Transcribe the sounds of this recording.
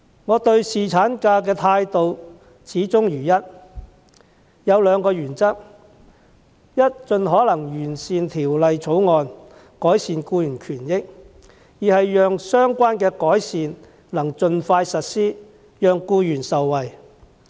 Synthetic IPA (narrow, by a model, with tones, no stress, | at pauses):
ŋɔː˨˧t̪ɵ˧ɥsiː˨˩t͡sʰaː˨˥nkaː˧k̬ɛː˧t̪ʰaː˧jt̪o˨w | t͡sʰiː˨˥t͡sʊ˥ŋjyː˨˩jɐ˥t̚ | jɐ˨˧wlœː˨˧ŋkɔː˧jyː˨˩nt͡sɐ˥k̚ | jɐ˥t̚t͡ʃɵ˨˧nɦɔː˨˥lɐ˨˩ŋjyː˨˩nsiː˨nt̪ʰiː˨˩wlɐ˨jt͡sʰo˨˥wŋɔː˨n | kɔː˨˥jsiː˨nkuː˧jyː˨˩nkʰyː˨˩njɪ˥k̚ | jiː˨˩hɐ˨jjœː˨˧ŋsœː˥ŋkʷaː˥nkɛː˧kɔː˨˥jsiː˨n | lɐ˨˩ŋt͡ʃɵ˨˧nfaː˧jsɐ˨t̚siː˥ | jœː˨ŋkuː˧jyː˨˩nsɐ˨wːɐ˨j